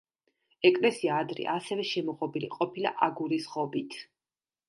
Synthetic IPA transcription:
ɛkʼlɛsiaːd̪ɾḭʔasɛvɛʃɛmɔʁɔbilḭqʼɔpʰila̰ʔaɡuɾisχɔbit̪ʰ

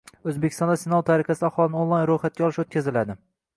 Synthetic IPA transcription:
ɵzbekʲʰɪst̪ɒnd̪asɪnalˠt̪ʰaɾɪqasɪaχɒlˠɪnɪonlˠajnɾojχat̪̚kʲaɒlɪʃot̪̚kʲʰazɪlad̪ɪ

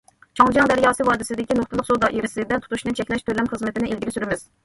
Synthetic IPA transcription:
t͡ʃʰɑŋd͡ʒɑŋd̪æɾjɑːsɨwɑːd̪ɨsɪd̪ɪkʲinoχt̪ɨlˠəqsod̪ɑʔeɾɪsɪd̪ɛt̪ʰu̥t̪ʰuʃnɪŋt͡ʃʰɛkʲlɛʃt̪ʰølɛmχəzmɪt̪ɪnɪʔelɡʲiɾɪsyɾɪmɪz̥

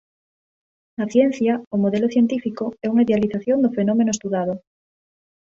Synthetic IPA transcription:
naθjen̟θjaomoðeloθje̞nt̪ifikoɛuŋaiðealiθaθjo̞nd̪ofe̞nomenoest̪uðaðo

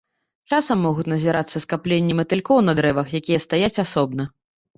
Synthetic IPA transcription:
t͡ʂasɐmːɔɣut͡sʲnɐzʲiɾat̪sːɐskaplʲenʲːɛmɐt̪ɨlʲkɔwnɐd̪ɾɛvɐxjakʲijɐst̪ajat͡sʲasɔb̚nɐ

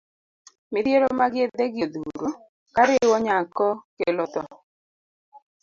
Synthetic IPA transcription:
mɪdjeɾomaɡɪed̪eɡjod̪uɾu | kaɾɪwɔɲakɔkelɔt̪ɔ

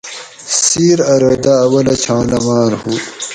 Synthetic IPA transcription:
siːɾɐɾɐd̪aːwɐlɐt͡ɕʰaːnɐmaːɾhu

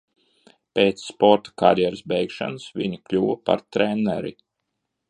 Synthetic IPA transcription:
pʲeːt̪sːpɔɾt̪ḁkaɾjɛɾɨsbɛjkʃa̰nsviɲuklʲuvapa̰ɾt̪ɾɛnːɛ̰ɾi

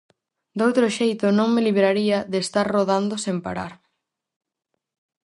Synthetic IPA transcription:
d̪owt̪ɾoʃejt̪ʊnõŋmeliβɾaɾiɐðest̪aɾroðand̪ʊsempa̰ɾa̰ɾ

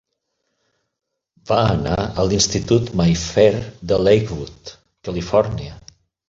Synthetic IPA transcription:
baəna̰əlinst̪it̪ut̪majfɛɾd̪əlejkβut̪ | kəlifɔɾniə

